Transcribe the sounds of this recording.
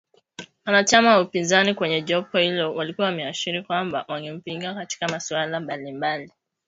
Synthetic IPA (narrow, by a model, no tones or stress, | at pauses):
wanat͡ʃamawaupinzanikwɛɲɛʄɔpɔhilɔwalikuwamiaʃiɾikwamba̰waŋɡɛm̩piŋɡakati̥kamasualambalimbali